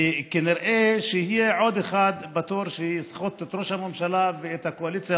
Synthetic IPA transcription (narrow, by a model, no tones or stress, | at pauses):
kiniɾʔeʃejihijeʕo̞d̪eχad̪bat̪uɾʃeisχot̪et̪ɾo̞ʃhamemʃalaveːt̪hakoalit͡sja